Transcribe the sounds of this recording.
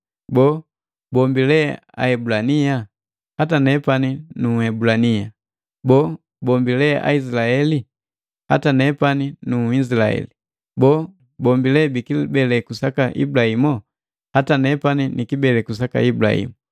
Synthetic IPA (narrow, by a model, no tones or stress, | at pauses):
bɔ | bɔmbilɛ | a̰ɛbulanija | hatanɛpaninuɛbulanija | bɔ | bɔmbilɛʔa̰izilaɛli | hatanɛpaninuizilaɛ̰li | bɔ | bɔmbilɛbikibɛlɛkusakaʔḭbulahimɔ | hatanɛpaninikibɛlɛkus̬aka̰ibula̰hḭmu